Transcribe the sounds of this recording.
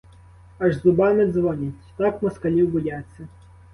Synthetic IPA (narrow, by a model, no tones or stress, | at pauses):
ɑʒzʊbɑnɪzʋɔnʲitʲt̪ɑkmɔskɐlʲiwbɔjat͡sʲːɐ